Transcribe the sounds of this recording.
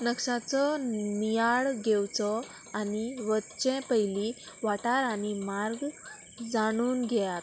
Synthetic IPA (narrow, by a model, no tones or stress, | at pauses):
nəksat͡sɔnijaɭɡewt͡sɔ | aniʋətt͡ɕɛ̃pəjli | ʋaʈaɾaɽ̃imaɾɡ | d͡zaɽ̃uːnɡʱɛjat̪